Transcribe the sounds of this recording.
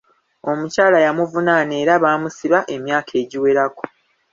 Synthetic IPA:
o̞mucaːlajamuvunane̞ːɾaβaːmusiβaʔe̞mjaːkʰe̞ːɟiwe̞ɾako̥

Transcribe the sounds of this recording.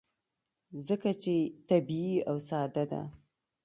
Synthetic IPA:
zəkat͡ʃet̪abiiawsɑd̪ad̪a̰

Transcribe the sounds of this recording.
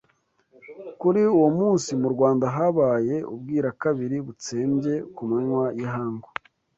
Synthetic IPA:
kuɾiuwomuːnsimuɾɡwaːndaɦaβaːje̞ṵb̚ɡiːɾakaβiɾiβut͡seːmɟe̞kumeɲwajiɦaːŋɡo

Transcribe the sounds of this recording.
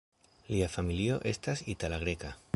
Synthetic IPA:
liafamilioʔe̞st̪asit̪alaɣɾeka

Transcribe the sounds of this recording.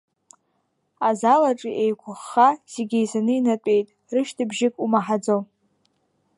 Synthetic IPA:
azalaʈ͡ʂʼiʔejkʷʰʊχːaz̥eɡʲejzanɨinatʷʼe̞jtʼ | rɨʃtʰɨbʒɪkʼumaħad͡zow

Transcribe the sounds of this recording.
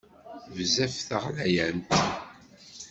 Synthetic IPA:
vzæfθəʁlæjænt̪

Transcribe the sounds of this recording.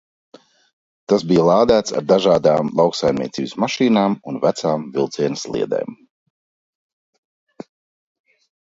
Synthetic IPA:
t̪asbijlˠɑːd̪æːt̪sa̰ɾd̪aʒaːd̪aːmlˠawksajmniɛt̪sḭːbɪsmaʃiːnaːmunvæt̪saːmvilˠt̪siɛnəslˠḭɛd̪ḛːm

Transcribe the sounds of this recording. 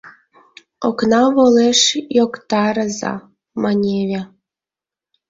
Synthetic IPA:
oknɑβoleʃjokt̪ɑɾəzɑ̰ | mɑnʲeβʲe

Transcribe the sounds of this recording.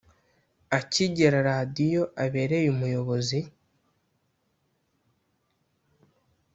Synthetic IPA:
aciɟeɾaɾaːdijo̞ʔaβe̞ːɾe̞jumujo̞βo̞zi

